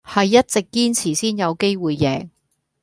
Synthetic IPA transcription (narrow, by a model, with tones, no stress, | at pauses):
hɐ˨jːɐ˥t̚t͡sɪ˨kːiː˥nt͡sʰiː˨˩siː˥njɐ˨˧wke˥jwuː˨jːɛː˨˩ŋ